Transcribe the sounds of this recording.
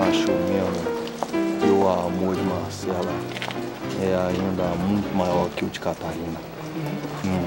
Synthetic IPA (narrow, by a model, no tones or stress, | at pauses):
aʃomemu | ewamoɾd͡ʒimahsɛlɐ | ɛaĩnd̪ɐmũj̃t̪umajɔɾkewt͡ʃi̥kat̪aɾĩnd̪ɐ̃